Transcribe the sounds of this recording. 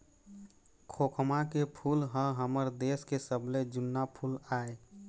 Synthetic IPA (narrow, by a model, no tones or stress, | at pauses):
kʰoːkʰmakepʰulɦə̃ɦəməɾd̪eːskesəbled͡ʒʊnːapʰulaːe